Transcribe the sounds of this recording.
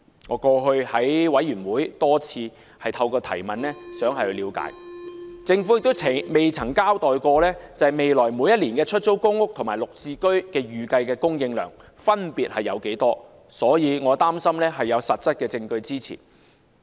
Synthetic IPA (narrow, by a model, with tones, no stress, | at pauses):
ŋɔː˨˧kɔː˧ɦɵ˧ɥhɐ˨˥jwɐ˨˥jːyː˨˩nwuː˨˥jt̪ɔː˥t͡sʰiː˧ | hɐ˨jt̪ʰɐ˧wkɔː˧t̪ʰɐ̰˨˩jmɐ˨nlɛː˥sœː˨˥ŋhɐ˨jhɵ˧liː˨˧wka̰ː˨˥jt͡sɪ˧ŋfu˨˥jɪ˨k̚t̪o˥wʰme˨jt͡sʰɐ˨˩ŋkaː˥wt̪ɔː˨jkɔː˧lɛː˥t͡sɐ˨hɐ˨˩jme˨jlɔː˨˩jmuː˨˧jɐ˥t̚liː˨˩nkɛː˧t͡ʃʰɵ˥t̚t͡so˥wkʊ˥ŋːʊ˥k̚t̪ʰʊ˨˩ŋmaː˨˩jlʊ˨k̚t͡siː˧kɵ˥ɥkɛː˧jyː˨kɐ˧jkɛː˧kʊ˥ŋjɪ˧ŋlœː˨˩ŋ | fɐ˥npiː˨t̚hɐ˨jɐ̰˨˧wke˨˥jt̪ɔː˥ | sɔː˨˥jiː˨˧ŋɔː˨˧t̪aː˥msɐ˥mlɛː˥ɦɐ˨jːɐ˨˧wsɐ˨t̚t͡sɐ˥t̚kɛː˧t͡sɪ˧ŋkɵ˧ɥt͡siː˥t͡sʰḭː˨˩n